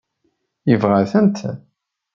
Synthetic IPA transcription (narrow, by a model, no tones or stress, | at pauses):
jəvʁaθənt̪